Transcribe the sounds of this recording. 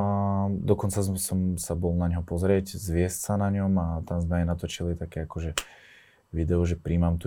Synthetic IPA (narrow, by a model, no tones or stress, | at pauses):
d̪ɔkɔnt͡sasɔmsabɔlnaɲɦɔpɔzɾɪɛczʋɪɛscsanaɲɔmat̪amzmɛajnat̪ɔt͡ʃilit̪akɛakɔʒɛ | ʋid̪ɛɔʒɛpɾiːmamt̪u